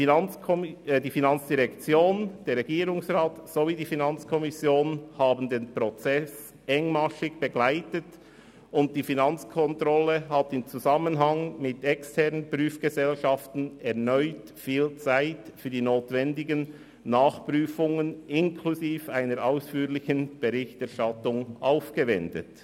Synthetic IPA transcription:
diːfinɑnt͡sd̥iʁɛkt͡sjoːnd̥eːɾʁɛɡiːɾʊŋsʁaːtsoviːdiːfinɑnt͡skʰɔmɪsjoːnhaːbn̩deːnpɾot͡sɛs | ʔɛŋmaʃɪɡb̥eɡ̥laɪtət | ʊnt̚d̥iːfinɑnt͡skʰɔntɾɔləɦatɪmt͡suzamənɦɑŋmɪtɛkstʰɛʁnənpʁyːfɡ̥əzɛlʃaftn̩ɛʁnɔʏt | fiːlt͡saɪtfyːɐdiːnoːtvɛndɪɡənː | aːχpʁyːfʊŋənɪnkʰluziːfaɪnəɾʔaʊsfyːlɪçənb̥eʁɪçtɛɐʃtatʊŋʔaʊfɡ̥əvɛndə̰t

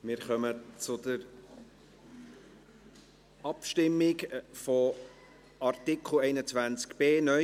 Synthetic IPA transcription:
mɪɾχœmət͡sʊd̪əɾ | ɑpʃtɪmːɪkfɔ | ɑɾtɪkχl̩ɛɪnət͡svænt͡skb̥eːnœ

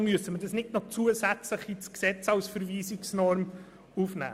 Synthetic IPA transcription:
myəsəmədɑsnɪdnɔt͡suːəzæt͡sləχit͡sksɛt͡sɑwsfəɾviːsɪksnɔɾm | ufnæ̰ː

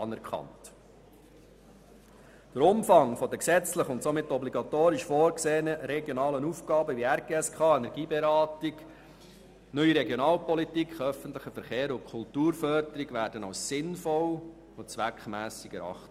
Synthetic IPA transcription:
ɑnɛɾkʰɑ̰nt | d̥əɾʊmfɑŋfɔd̪əksɛt͡sləχʊntsomɪtːɔbliɡɑt̪oːɾɪʃfoːɾkseːənəɾɛɡjɔnɑːlənufɡɑːbəʋiæɾɡ̥eːɛskʰɑːɛnɛɾɡiːbɛɾɑːtɪɡ | nœʏiɾɛɡjɔnɑːlpɔlitikχœfəntlɪχəfəɾχeːɾʊnkʰʊltuːɾfœrdəɾiɡʋæːɾd̥ənɑʊssɪnfɔl | ʊnt͡sʋækχmæːsɪɡɛɾɑ̰χt

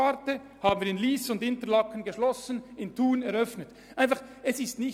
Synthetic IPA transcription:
aɾtə | haːbən̩viːɾɪnliːsʊndɪntəɾlɑkənɡəʃlɔsənɪntʰuːnɛɾœfnət | ʔaɪnfɑχɛsɪstnɪç

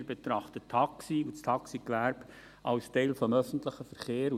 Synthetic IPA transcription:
ɾbet̪ɾɑχt̪ətʰːɑksiustʰɑksikʋæɾb̥ | ʔɑʊstɛɪlfɔmœfən̩tləχəfəɾχeːɾu

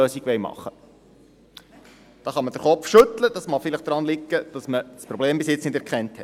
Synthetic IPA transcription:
øːsiɡʋɛjmɑ̰χːə | d̥ɑːχɑməd̥əɾχɔpfʃɵt̪ləd̥̪ɑsmɑχfɪləχd̥̪ɾɑnlɪkːəd̥ɑsməspɾɔbleːmbɪsjɪt͡snɪdɛɾkχɛnthɛt

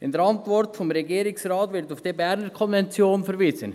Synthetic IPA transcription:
ɪnd̪ɛɾɑntvɔɾtfɔmɾɛɡiːɾɪksrɑːtvɪɾtaʊfd̥iːbɛɾnəɾkʰɔnvɛnt͡sjoːnfɛɾviːzən

